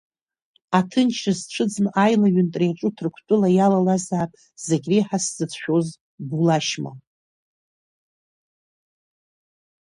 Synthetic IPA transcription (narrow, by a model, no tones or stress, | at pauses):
atʰɨnt͡ʃʰazʈ͡ʂʷʰɨd͡znʔajlaɥʏntʼrejʈ͡ʂʼutʰrkʷʰtʷʼʊlajalalazaːpʼ | z̥eɡʲriħaszɨt͡sʰʃᶣo̞z | bulaʃma̰